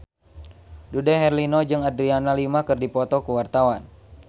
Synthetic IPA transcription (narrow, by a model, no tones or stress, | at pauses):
dudɛɦɛrlinɔd͡ʒɨŋadɾianalimakɨrdipɔt̪ɔkuwart̪awan